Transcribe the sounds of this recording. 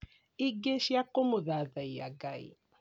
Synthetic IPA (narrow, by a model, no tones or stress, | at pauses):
iɡeʃjakomuðaðaia̰ɡaḭ